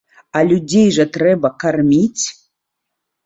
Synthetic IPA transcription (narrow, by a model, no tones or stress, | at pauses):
alʲudʲejʐɐt̪rɛbɐkarmʲit͡sʲ